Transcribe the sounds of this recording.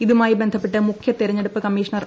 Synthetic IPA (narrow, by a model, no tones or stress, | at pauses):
iðumaːjibe̞nd̪ʱɐpːe̞ʈːɨmukʰjɐt̪iɾɐɲːeɽupːɨkɐmːiːʂɐɳɐr